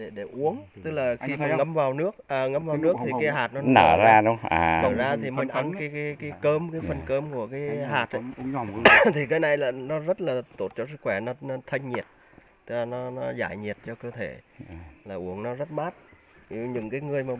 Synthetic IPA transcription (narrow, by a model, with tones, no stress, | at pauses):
ɗe˧˩ɗe˧˩ʔu˨˦əŋt̪ɨ˦˥k̚laː˨˩xi˧maː˨˩ŋə˧mvaː˨˩wnɨ˦˥ək̚ʔəː˨˩ŋə˧mvaː˨wnɨ˦˥ək̚t̪ʰi˨kaː˨˦jɦaː˨˩t̚nɔ˨˦nəː˧˩zaː˧ɗʊ˨˦ŋ͡mʔa̰ː˨˩ə˧˨˩zaː˧t̪ʰi˨˩mə˨˧˦nfa˨˦nkaː˨˦jkaː˨˦kaː˨˦jkəː˧mkaː˨˦jfə˧˩nkəː˧mku˧˩əkaː˨˦jɦaː˨˩t̚ʔa˧˦˧ | t̪ʰi˨˩kaː˨˦jna˨˧˩jlaː˨˩nɔ˨˦zə˦˥t̚laː˨˩t̪o˨˧˩t̚t͡ɕɔ˧s̬ɨ˦˥kxwɛ˧˩nɔ˨˦nɔ˨˦t̪ʰə˧ŋ̟ɲi˨˩ət̚ | t̪ɨ˦˥k̚laː˨˩nɔ˨˦nɔ˨˦za̰ː˧˩jɲi˨˩ət̚t͡ɕɔ˧kəː˧t̪ʰe˧˩laː˨˩ʔu˧˩əŋnɔ˨˦zə˦˥t̚maː˦˥t̚ː | ɲɨ̰˨˩ŋkaː˨˦jŋɨ˨˩əjmaː˨˩